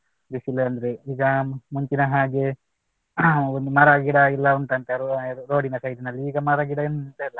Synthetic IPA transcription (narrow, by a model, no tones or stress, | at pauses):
d̪isileɐnd̪ɾeiːɡɐmuɲt͡ʃinɐɦaːɡe̞ | ond̪umɐɾaːɡiɽɐilːɐunt̪ɐnt̪eɾouɾoːɽinɐsɐjd̪inɐlːiiːɡɐmaɾaːɡiɽɐenuunt̪ɐilːɐ